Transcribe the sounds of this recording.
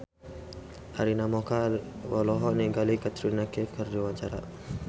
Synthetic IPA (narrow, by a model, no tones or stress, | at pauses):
a̰ɾinamɔkalwɔlɔɦɔniɡalikat̪ɾinakekəɾdiwat͡ʃaɾa̰